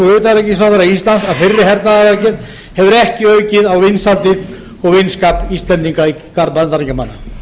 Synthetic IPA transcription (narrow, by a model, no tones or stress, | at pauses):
uʏːt̪aɾɛcːɪsawfaɾaist̪lant̪aðfɪrːɪɦɛɾt̪naðavacɪð | hɛvʏɾɛhcɪœɥcɪðawvɪnsalt̪ɪ | ɔɣvɪnskapist̪lɛnt̪iŋkaikaɾmant̪aɾiŋckamanːa